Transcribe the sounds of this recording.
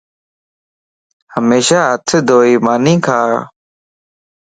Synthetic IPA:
həmeːʃaːɦət̪ʰd̪oːiːmaːnĩːkʰaː

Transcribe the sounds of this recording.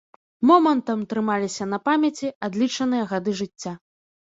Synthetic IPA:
mɔmɐnt̪ɐmt̪ɾɨmalʲisʲɐnɐpamʲɐt͡sʲiad̪lʲit͡ʂɐnɨjɐɣad̪ɨʐɨt͡sʲːa

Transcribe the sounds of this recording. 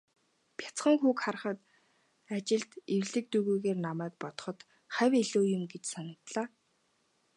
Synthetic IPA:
pʰʲjḁt͡sχə̆ŋxuːkχar̆χə̆t̪ | at͡ɕɪ̆ɮt̪ewɮɘ̆k̚t̪uɣuːɣeːrnamæːk̚pɔt̪ɞ̥̆χɞ̆t̪ | χæwʲeɮuːjʊ̆mɡet͡ɕsanə̆kt̪ɮaː

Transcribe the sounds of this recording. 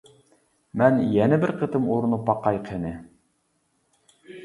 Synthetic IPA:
mænjænɘbɘɾqɤ̆t̪ɤmuɾɤ̆nɤpːɑqːɑjqhɘ̆nɘ

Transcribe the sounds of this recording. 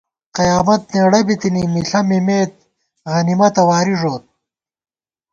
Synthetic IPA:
qɐjaːmɐt̪̚neːɽɐbit̪inimiɬɐmimeːt̪̚ | ɣɐnimɐt̪ɐwaːɾiʐoːt̪̚

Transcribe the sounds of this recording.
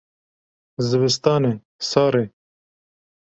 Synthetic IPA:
zɪbɪst̪ɑːne | sɑːɾe

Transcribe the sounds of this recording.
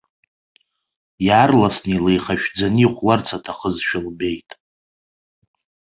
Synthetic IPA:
jarlasnilejχaʃᶣd͡zaniχʷwart͡sʰatʰaχəzʃᶣɪlbe̞jtʼ

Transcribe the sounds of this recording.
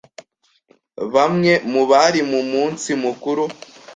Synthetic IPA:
βamŋe̞muβaɾimumuːnsimukuɾu

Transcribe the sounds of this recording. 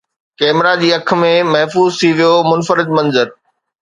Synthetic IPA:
kɛːmɾad͡ʑiːɐk̆ʰmẽmɐɦfuːzt̪ʰiʋijomʊnfəɾɪd̪̚mɐ̃nzəɾ

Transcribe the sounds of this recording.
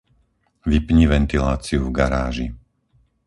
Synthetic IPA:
ʋipɲiʋɛnt̪ilaːt͡siuvɡaɾaːʒi

